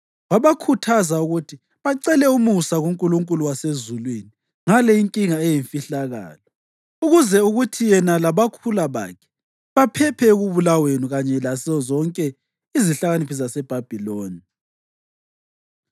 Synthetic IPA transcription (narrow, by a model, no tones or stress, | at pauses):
waβakʰutʰazauɣutʰi | βaǀɛlɛumusaɣuŋkʼuluŋkʼuluwasezulwini | ŋalɛiŋkʼiŋaɛjiɱfiɬaɣa̰ːlɔ | uɣuzɛuɣutʰijɛnalaβakʰulaβa̰ːkʰɛ̥ | βapʰɛpʰɛɣuβulawenuɣaɲɛlasizɔzɔŋkʼɛ | iziɬaɣanipʰis̬asɛb̥ʱab̥ʱiloːni